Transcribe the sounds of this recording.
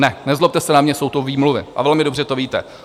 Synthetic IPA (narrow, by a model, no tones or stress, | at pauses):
nɛnɛzlop̚t̪ɛsɛnamɲɛsowt̪oviːmluvɪ̰ʔa̰vɛlmɪdobr̝ɛt̪oviːt̪ɛ